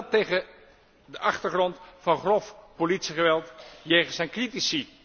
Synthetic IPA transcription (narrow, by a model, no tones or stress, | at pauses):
tejχə | dəʔɑχtəɹχrɔntfɑnχrɔfpolitsiχəʋɛlˠtjejχənsɛjnkritisi